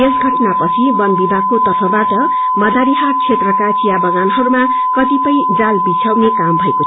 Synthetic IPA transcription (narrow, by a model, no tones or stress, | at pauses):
esɡʱʌʈnapʌt͡sʰibʌnbibʱaɡ̚kot̪ʌrtʰʌbaʈʌ | mʌd̪ʱaɾiɦaɾt͡sʰet̪rʌkat͡sijabʌɡanɦʌɾuma | kʌt̪ipʌjd͡zalbit͡sʰawnekambʱʌeko